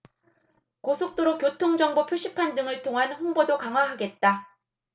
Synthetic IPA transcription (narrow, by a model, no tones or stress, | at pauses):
kosʰok̚t͈oɾokjotʰoŋd͡ʑʌŋbopʰjoɕ͈ʰipʰandɯŋɯɭtʰoŋɦanɸoŋbodokaŋɦwaɦaɡe̞t̚t͈a